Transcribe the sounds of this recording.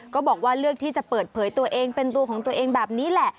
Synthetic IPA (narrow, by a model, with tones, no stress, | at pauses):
kɔː˥˩bɔː˨˩k̚waː˥˩ɾɯ˥˩ək̚t̪ʰiː˥˩t͡ɕa˨˩pɤː˨˩t̪̚pʰɤː˩˦jt̪u˧ɐʔeː˧ŋpe˧nt̪u˧əkʰɔː˩˦ŋt̪u˧əʔeː˧ŋbɛː˨˩p̚niː˦˥lɛ˨˩ʔ